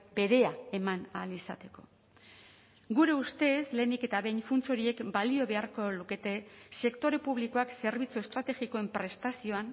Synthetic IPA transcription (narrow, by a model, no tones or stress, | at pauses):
be̞ɾe̞ae̞manalisa̰t̪e̞ko̞ | ɡuɾe̞ust̪e̞sle̞ːnike̞t̪aβe̞jnfunt͡so̞ɾie̞kbalio̞βe̞aɾko̞luke̞t̪e̞se̞kt̪o̞ɾe̞puβ̞liko̞akse̞ɾβit͡sue̞st̪ɾat̪e̞ɣiko̞e̞mpɾe̞st̪asio̞an